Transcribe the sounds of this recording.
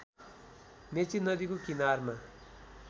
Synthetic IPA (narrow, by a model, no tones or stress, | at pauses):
net͡sinʌd̪ikokinarma